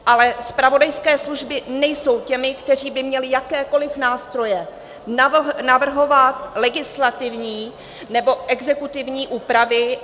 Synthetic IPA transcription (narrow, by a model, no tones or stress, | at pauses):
ʔalɛspɾavo̞dajskɛːsluʒbɪnɛjso̞wcɛmɪkt̪ɛr̝iːbɪmɲɛlɪjakɛːko̞lɪfnaːst̪ɾo̞jɛ | nanavr̩ɦo̞vat̪lɛɡɪslat̪ɪvɲiː | nɛbo̞ʔɛɡzɛkut̪ɪvɲiːʔuːpɾavɪ